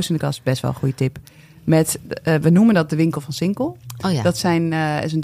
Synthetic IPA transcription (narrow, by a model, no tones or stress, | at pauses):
səndəkɔ̰sbɛstʋɔ̰lˠxujətɪp | mɛtʋənuməndɔt̚dəʋɪŋkəl̩ˠfɔnsɪŋkəl̩ˠdɔtsɛjnɪsənd